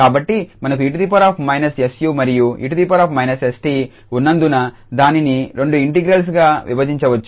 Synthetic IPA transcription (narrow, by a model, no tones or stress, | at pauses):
kaːbɐʈːimɐnɐkuiʈ̬ud̪ip̬ɐɾaːpʰmɐjnɐsesjuːmɐɾijuḭʈud̪ipɐɾaːpʰmɐjnɐsesʈiː | unːɐnd̪unɐ | d̪aːniniɾe̞ɳɖuiɳʈiɡɾɐls̬ɡaːʋḭbɐd͡ʒiɲt͡ʃɐʋɐt͡ʃːu̥